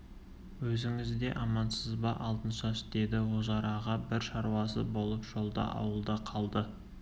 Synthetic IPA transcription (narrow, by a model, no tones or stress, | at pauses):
wɵzɪŋɪzd̪e̞ʔɑmɑnsəzbɑʔɑlˠt̪ənʃɑsɪt̪ed̪ɪwozɑɾɑʁɑbɪɾʃɑɾwɑsə̰bo̞lˠəpʒ̥o̞lˠd̪ɑ̰ʔɑ̰wəlˠd̪əqʰɑlˠd̪ə